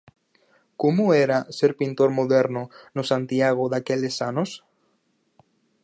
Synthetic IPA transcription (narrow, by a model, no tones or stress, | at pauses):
komoɛɾaseɾpint̪oɾmoðɛɾnʊnosãnt̪iaɣ̞oðakelesanos